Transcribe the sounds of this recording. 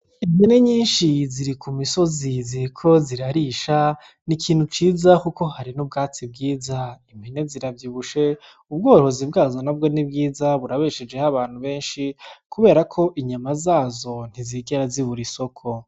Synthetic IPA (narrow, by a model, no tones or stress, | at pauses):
imene̞ɲiːnʃiziɾikʰumiso̞ziziɾikʰo̞ziɾaɾiːʃa | nikʰiːn̥hut͡ʃiːzakuko̞haɾinub̚ɡaːt͡sib̚ɡiːzaimhene̞ziɾavjiːβuʃe̞ | ub̚ɡo̞ːho̞zibɡaːzo̞nabɡo̞nibɡiːzaβuɾaβeʃed͡ʒe̞haβaːn̥huβe̞ːnʃikʰuβe̞ːɾakʰo̞ʔiɲamazaːzo̞n̥iziɡeɾaziβuɾiso̞kʰo̞